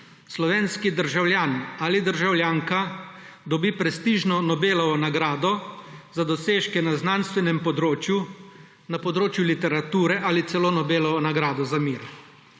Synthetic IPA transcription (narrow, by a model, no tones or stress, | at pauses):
slɔʋeːnskid̪əɾʒawlʲjaːnalid̪əɾʒawljaːŋkad̪ɔbiːpɾɛst̪iːʒnɔnɔbeːlɔʋɔnaɡɾaːd̪ɔzad̪ɔseːʃkɛnaznanst̪ʋɛnɛmpɔd̪ɾoːt͡ʃju | napɔd̪ɾoːt͡ʃjulit̪ɛɾat̪uːɾɛʔalit̪sɛloːnɔbeːlɔʋɔnaɡɾaːd̪ɔzamiːɾ